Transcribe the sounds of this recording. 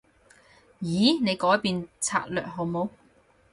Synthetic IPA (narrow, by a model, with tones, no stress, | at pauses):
jiː˨˥ne˨˧jkɔː˨˥jpiː˨˧nt͡sʰa̰ː˧t̚lœ̰ː˨k̚ɦɔ˨˧wmo˨˧˥w